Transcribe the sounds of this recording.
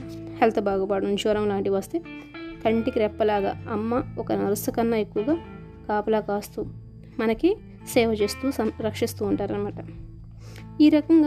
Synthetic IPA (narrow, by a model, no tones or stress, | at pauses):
helt̪ʰɐbʱaːɡɐpaːɽɐuɲt͡ʃoːɾɐmlaːɳʈiʋɐst̪eːt̪ʰɐɳʈikiɾɛpːɐlaːɡa̰ːɐmːɐɔkɐnɐɾusɐkɐnːɐekːuʋɐɡaː | kaːpɐlaːkaːst̪uː | mɐnɐki | sɛːʋɐt͡ʃeːst̪uːsɐmɾɐkʂist̪uːɳʈaːɾɐnɐmaːʈɐ | iːɾɐkɐŋɡaː